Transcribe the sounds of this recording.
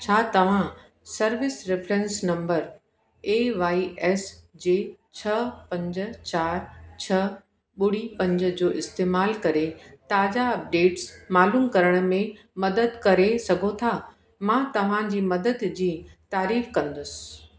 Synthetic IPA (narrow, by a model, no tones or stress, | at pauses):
t͡ɕʰaːt̪ɐʋ̤ã | sɐɾʋɪsɾɪfɾɛ̃nsnɐ̃mbəɾ | eːʋaːiʔɛːsd͡ʑeːt͡ɕʰɐpɐ̃ɲd͡ʑʊ̆t͡ɕaːɾt͡ɕʰɐ | ɓʊɽ̤ipɐ̃ɲd͡ʑə̆d͡ʑoːʔɪst̪eːmaːlkɐɾet̪aːd͡ʑaɐp̚ɖeːʈsmaːluːmkɐɾəɽ̃̆mẽ | mɐd̪əd̪kɐɾesɐɡʱot̪ʰaː | mãt̪ɐʋ̤ãd͡ʑiːmɐd̪əd̪d͡ʑiːt̪aːɾiːfkɐ̃nd̪ʊsɪ̥̆